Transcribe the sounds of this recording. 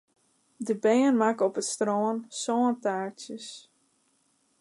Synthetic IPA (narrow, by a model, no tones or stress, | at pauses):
dəbeːənmakɔpətstrɔːənsɔːntaːɹtjəs